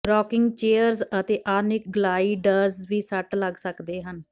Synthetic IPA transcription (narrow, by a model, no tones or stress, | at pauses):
ɾɔːkɪŋɡt͡ʃeːəɾzət̪eːʔaːnɪk̚ɡəlaːiːɖəɾzʋiːsəʈləɡsəkd̪eːɦən